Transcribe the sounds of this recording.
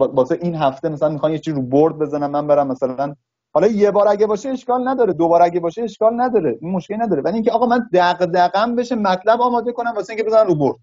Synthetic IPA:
bɒːseʔinɦæft̪emæsælænmixɑːmjet͡ʃʰiːzɾuboɾd̪̚be̞zænæmːæmbeɾæmːæsælæn | hɒlɒjebɒːɾæɟæbɒːʃeeʃkɒːlnæd̪ɒːɾed̪obɒːɾæɟʲæbɒːʃeeʃkɒːlnæd̪ɒːɾeinmoʃkʲenæd̪ɒːɾevæliːŋcʰʲeɒːɣɒːmænd̪æɣd̪æɣæmbe̞ʃemæt̪ʰlæbɒːmɒːd̪e̞ko̞næmbɒːseiŋcʰebe̞zænæmɾuboɾd̪̥

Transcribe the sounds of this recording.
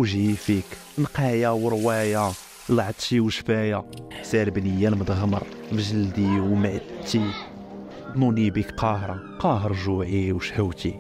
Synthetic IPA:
wʒifik | nqɑjawəɾwæja | lʕəd̪ˤʃiwʃfæjaħsælbnəjːalməd̪ɣməɾˤfʒəld̪iwmaʕt̪ːi | d̪nunibikqɑɦɾˤɑ | qɑɦəɾˤʒuʕiwʃhəwt̪i

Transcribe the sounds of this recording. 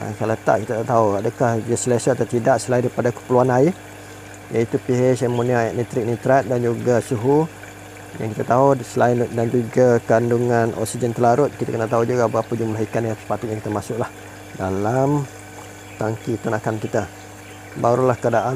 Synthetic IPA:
a̰kalat̪a̰ʔkit̪at̪aʔt̪auadakahd͡ʒəslesət̪at̪idaʔsəlaindaɾipadakə̥pəluanai | jait̪upiesamoniaaʔmit̪ɾɪk̚nit̪ɾat̪̚dand͡ʒuɡasuɦu | ja̰ŋkit̪at̪aɦosəlaɪndand͡ʒuɡakanduŋanʔɔ̰ksid͡ʒənt̪əlaɾʊt̪̚kit̪akənat̪aud͡ʒuɡabapəd͡ʒumlaɦikanat̪spat̪ʊt̪̚jaŋkit̪amasʊkʔ̚lah | dalam | t̪aŋkit̪unakankit̪a | baɾulahkəadaʔa

